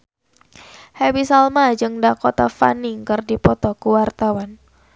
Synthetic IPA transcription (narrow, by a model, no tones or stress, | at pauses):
hawisalmad͡ʒɨŋdakɔt̪afa̰niŋkɨrdipɔt̪ɔkuwart̪awan